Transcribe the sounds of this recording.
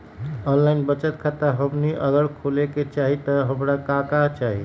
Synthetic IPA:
ɔnlaɪnbət͡ʃət̪̚kʰat̪əɦəbniʔəɡəɾkʰoleket͡ʃaɦit̪ɔɦəmɾakakat͡ʃaɦi

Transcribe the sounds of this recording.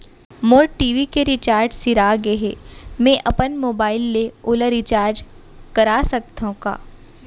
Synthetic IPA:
moːɾʈiːʋikeɾit͡ʃaːɾd͡ʒsɪɾaɡeɦeːmẽʔɐpənmoːbaːɪlːeoːləɾit͡ʃaːɾd͡ʒ | kɐɾaːsɐk̚t̪õka̰ː

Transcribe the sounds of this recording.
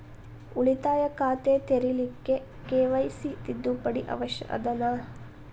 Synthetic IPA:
uɭit̪aːjɐkaːt̪eːt̪eɾilikːe | keːʋɐjsit̪id̪ːupɐɽiʔɐ̰ʋɐʃjɐ̰ʔɐ̰d̪ɐnaː

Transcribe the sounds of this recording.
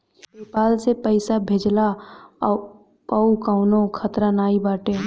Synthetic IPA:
peːpaːlsepəɪsabʱeːd͡ʒla | pəukaʊnõkʰət̪ɾanaːibaːʈe

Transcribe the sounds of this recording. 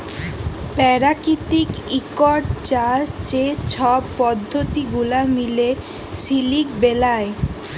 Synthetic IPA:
pɛɾakit̪ikikɔɖ̚t͡ɕast͡ɕet͡ɕʰɔbpɔd̪ʱːot̪iɡulamile | silik̚belae

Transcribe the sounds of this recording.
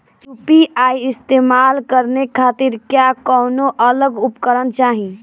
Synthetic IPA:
t͡ʃupiaiɪst̪emalkəɾnekʰat̪iɾkjakɔnoʔələɡupkəɾənt͡ʃaɦĩ

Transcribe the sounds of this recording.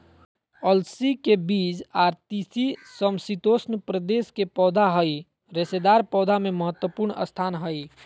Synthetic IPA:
əlsikebiːd͡ʒaːɾt̪isisəmsit̪oːsnpɾəd̪eːskepɔːd̪ʱaɦəi | ɾesed̪aːɾpɔːd̪ʱamẽməɦət̪wəpuɾɳə̰st̪ʰaːnɦəi

